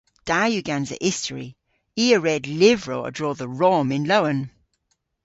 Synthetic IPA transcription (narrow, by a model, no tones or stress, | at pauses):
d̥ajʉɡãnzə̰ʔɪstəɹḭ | iːəɹɛdlɪvɹoʊə̰dɹɔːðəɹɔmɪ̃nloʊə̃n